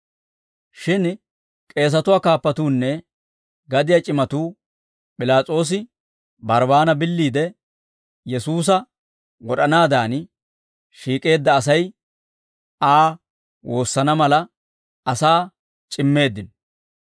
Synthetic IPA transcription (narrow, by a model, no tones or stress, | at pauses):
ʃɪn | kʼe̞ːs̬ɐt̪ʊwaːkaːpːɐt̪uːnːɛ | ɡɐd̪ɪjat͡ʃʼɪmɐt̪uː | pʼɪlaːt͡sʼo̞ːs̬ɪ | bɐɾbaːnɐbɪlːiːd̪ɛ | jɛsuːs̬ɐ | wɔɗɐnaːd̪aːn | ʃiːkʼe̞ːd̪ːɐːs̬ɐj | aː | wo̞ːsːɐnɐmɐlɐ | ɐsaː | t͡ʃʼɪmːe̞ːd̪ːɪnɔ